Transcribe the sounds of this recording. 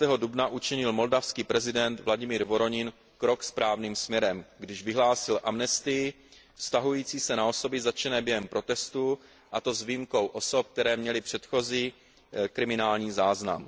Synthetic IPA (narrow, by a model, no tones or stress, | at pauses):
t̪ɛːɦo̞dubnaʔut͡ʃɛɲɪlmo̞ldafskiːpɾɛzɪdɛnt̪vlaɟɪmiːɾvo̞ɾo̞ɲɪn | kɾo̞kspɾaːvniːmsmɲɛɾɛmɡdɪʒvɪɦlaːsɪlʔamnɛst̪ɪjɪ | fst̪aɦujiːt͡siːsɛnao̞so̞bɪzat͡ʃɛnɛːbjɛɦɛmpɾo̞t̪ɛst̪u | ʔat̪o̞zviːmko̞wʔo̞so̞p̚k̚t̪ɛɾɛːmɲɛlɪpr̝̥ɛt̪xo̞ziː | kɾɪmɪnaːlɲiːzaːzna̰m